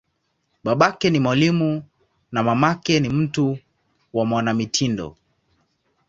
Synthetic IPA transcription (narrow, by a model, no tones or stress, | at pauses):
ɓaɓakɛnimwalimu | namamakɛnim̩tu | wamwanamitʰindɔ̰